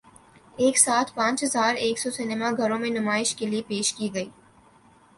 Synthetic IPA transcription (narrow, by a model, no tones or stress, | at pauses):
eːksaːt̪ʰpãːt͡ʃɦɐzaːɾeːksɔsɪneːmaɡʱɐɾõmẽnʊmaːɪʃkeliepeːʃkiɡɐiː